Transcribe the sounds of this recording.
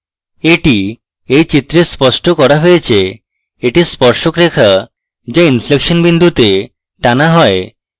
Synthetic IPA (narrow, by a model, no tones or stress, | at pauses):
eʈi | ejt͡ɕit̪ɾespɔsʈokɔɾaɦojet͡ʃʰe | eʈispɔɾʃokɾekʰa | d͡ʒeinflekʃɔnbind̪ʱut̪e | ʈanaɦɔe